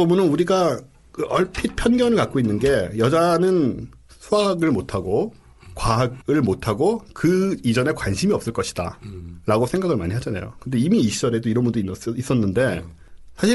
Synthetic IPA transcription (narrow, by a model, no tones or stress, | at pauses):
omunɯnuɾiɡa | kɯʔʌɭpʰit̚pʰjʌnɡjʌnɯɭkak͈oinːɯnɡe̞jʌd͡ʑanɯn | sʰuaɡɯɭmotʰaɡo | kwaɦaɡɯɭmotʰaɡokɯid͡ʑʌne̞kwanɕʰimiʌp̚s͈ɯɭk͈ʌɕʰi̥d̥a̰ɾaɡosʰe̞ŋɡaɡɯɭmaɲiɦad͡ʑana̰jo̰kɯnde̞imiːɕʰid͡ʑʌɾe̞doiɾʌnbundoiis͈ʌnːɯnde̞ | sʰaɕʰi